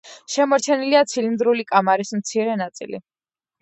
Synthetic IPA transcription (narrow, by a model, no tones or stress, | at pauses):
ʃɛmɔɾt͡ʃʰɛniliat̪sʰilind̪ɾulikʼamaɾismt̪sʰiɾɛnat̪sʼḭlḭ